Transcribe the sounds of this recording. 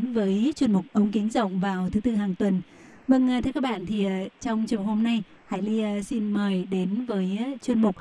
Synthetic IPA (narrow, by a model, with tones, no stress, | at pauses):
nvəː˨˦jt͡ɕwə˧nmʊ˨˩k͡p̚ʔə˨˧˦wŋ͡mki˨˦ŋzə̰˧˨wŋ͡mvaː˨˩wt̪ʰɨ˨˦t̪ɨ˧ɦaː˨˩ŋt̪wə˨˩n | və˧ŋ˨˩t̪ʰɛ˧kaː˦˥ɓa̰ː˧˨nt̪ʰi˨˩t͡ɕɔ˧wŋ͡mt͡ɕi˨˩ə˨who˧mna˧j | ha̰ː˧˨jli˧si˧nməː˨˩jɗe˨˦nvəː˨˦jt͡ɕwə˧nmʊ˨˩k͡p̚